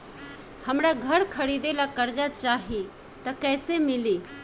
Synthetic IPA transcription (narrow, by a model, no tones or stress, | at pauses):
həmɾaɡʱəɾkʰəɾid̪elakəɾd͡ʒat͡ʃaɦi | t̪əkɛɪsemili